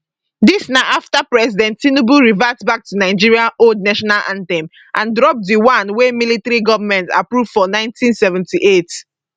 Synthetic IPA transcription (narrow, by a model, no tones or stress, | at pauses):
disnaaftapɹɛsidɛ̃ntːinubuɹivatbak̚tunaɪd͡ʒiɹiãnold̚naʃɔnalʔã̰ntɛ̃m | ʔãndɹɔp̚diwãnwemilitɹiɡɔvamɛ̃nta̰pɹuv̥fɔnãɪ̃ntĩnsɛvɛ̃ntiʔet